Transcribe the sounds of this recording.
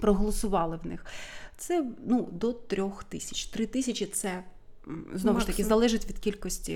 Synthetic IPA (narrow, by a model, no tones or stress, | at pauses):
pɾɔɦɔlˠɔsʊʋɑlˠɪwnɪ̰xt̪sɛnud̪ɔt̪ɾʲɔxt̪ɪsʲɐt͡ʃʲt̪ɾɪt̪ɪsʲɐt͡ʃʲit̪sɛ | znɔʋʊʃt̪ɐkɪzɐlˠɛʒɪtʲʋʲid̪kʲilʲkɔsʲtʲḭ